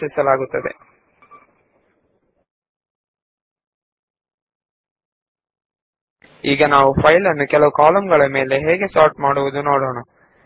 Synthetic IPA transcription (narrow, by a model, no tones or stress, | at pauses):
isɐlaːɡut̪ːɐd̪e̞̰ | iːɡɐnaːʋupʰɐjlɐnːukɛlɐʋukaːlɐmɡɐɭɐme̞ːle̞ɦeːɡe̞saːɾʈmaːɽuʋud̪uno̞ːɽoːɳɐ